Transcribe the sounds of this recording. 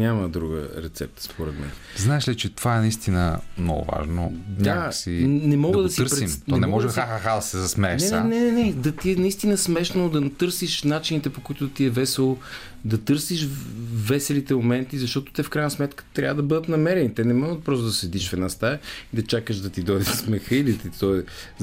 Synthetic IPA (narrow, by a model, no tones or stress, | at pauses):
nʲaməd̪ɾuɡə̰ɾɛt̪sɛ̰p̚t̪ə̥spoɾɛ̰d̪mɛ̰nznaɛʃlit͡ʃɛt̪ovaɛnɐist̪inə̰mnɔ̰ɡʊ̰va̰ʒno̰ɲʲasinɛmɔɡəd̪ɐsiəɾɾimt̪ɔɛmnɛmɔʒɛxaxaxad̪ɐsɛzɐsmɛɛʃnɛnanɛnɛnɛd̪ɐt̪iɛnɐist̪inəsmɛʃnod̪ɐnt̪ɤɾsiʃnat͡ʃinit̪ɛpokoit̪ʊt̪iɛvɛsɛlˠo | d̪ɐt̪ɤɾsiʃvɛsɛlit̪ɛmomɛnt̪izɐʃt̪ɔt̪o̥t̪ɛfkɾajnəsmɛt̪kə̥t̪ɾʲavəd̪ɐbɤd̪ət̪nɐmɛɾɛnit̪ɛnɛmɔɡət̪̚pɾɔst̪od̪ɐsɛd̪iʃvɛnast̪ajəid̪ɐt͡ʃakəʃd̪ɐt̪id̪ɔd̪ismɛxəilit̪it̪ɔɛ